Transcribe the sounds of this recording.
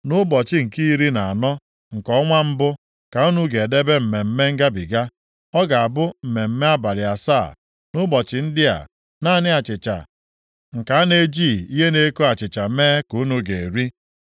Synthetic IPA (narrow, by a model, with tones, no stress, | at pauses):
nʊ˦bɔ˨t͡ʃɪ˦ŋ̩˨ki˦ɾi˦na˨a˨nɔ˦ | ŋ̩˨kɔ˦ŋʷa˦m̩˦bʊ˦ | ka˨u˦nu˦ɡe˨de˦be˦m̩˨me˨m̩˦me˦ŋ̩˦ɡa˦bi˨ɡa˦ | ɔ˦ɡa˨a˨bʊ˦m̩˨me˨m̩˦me˦a˦ba˨lɪ˨a˨sa˦˨ | nʊ˦bɔ˨t͡ʃɪ˨n̩˦dɪ˦a̰˨ | na˦˨nɪ˦a˨t͡ʃɪ˨t͡ʃa̰˨ | ŋ̩˨ka˨a˦ne˦d͡ʒiː˦˨i˦ɦe˦ne˦ko˦a˨t͡ʃɪ˨t͡ʃa˨˦meː˦ku˨˦nu˦ɡe˨e˨ɾi˦